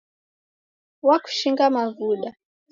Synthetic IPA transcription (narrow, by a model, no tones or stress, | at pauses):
waku̥ʃiŋɡamavuɗa